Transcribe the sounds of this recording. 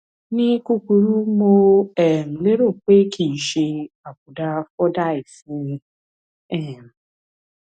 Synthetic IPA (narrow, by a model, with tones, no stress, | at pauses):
nĩ˦ku˦ku˧ɾu˦mo˧ɛ˨m̩˨le˦ɾo˦˨k͡pe˦kʰi˦˨ʃe˧a˨k̚u˨da˦˧fɔ˦da˦˨i˨fĩ˦˧ | ɛ˦˨m̩˨